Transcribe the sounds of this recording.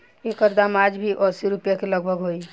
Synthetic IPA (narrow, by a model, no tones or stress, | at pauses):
ekəɾd̪amad͡ʒbʱiʔɔsiɾupjakeləɡbʱəɡɦoj